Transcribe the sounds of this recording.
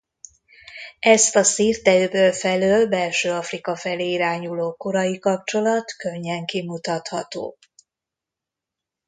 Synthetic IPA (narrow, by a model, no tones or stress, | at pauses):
ɛst̪ɒsiːrt̪ɛøːbøːlfɛløːlbɛlʃøːɒfrikɒfɛleːiɾaːɲuloːkoɾɒjikɒp̚t͡ʃo̞lɒt̪kø̞ɲːɛŋkimut̪ɒt̪hɒt̪o̰ː